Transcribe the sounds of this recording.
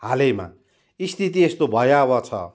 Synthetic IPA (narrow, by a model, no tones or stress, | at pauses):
halema̰ | ist̪ʰit̪iest̪obʱʌjawʌt͡sʰʌ̰